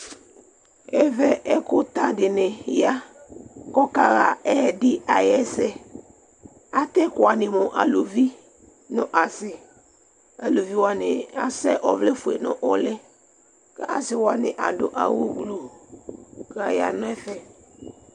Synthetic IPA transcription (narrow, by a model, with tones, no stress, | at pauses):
ɛ˦vɛ˦ʔɛ˦kʊ˦t̪a˦dɪ˨nɪ̃˨ja˦ | kɔ˦ka˦ɣa˨ɛ˦˨dɪ˦a˨jɛ˦sɛ˦ | a˨t̪ɛ˦kʊ˨a˨nɪ̃˨mʊ̃˨ʔa̰˨lo˨vi˦ | nʊ̃˦ʔa˨sɪ˨ | a˨lo˨vi˦wɔ˨a˨nɪ̃˨a˨sɛ˦ʔɔ˨vle˦fʊ˨ḛ˨nʊ̰̃˦ʔɔ˦lɪ˦ | kɛ˦ʔa˨sɪ˨wa˨nɪ̃˨ʔa˨dʊ˨ʔa̰˨wo˦ɡlo˨ | ka˨ja̰˨nʊ̃˦ɛ˦fɛ˦